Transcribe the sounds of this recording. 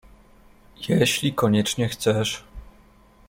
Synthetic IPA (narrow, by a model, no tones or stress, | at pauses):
jɛɕlʲikɔɲɛt͡ʂɲɛxt̪sɛʂ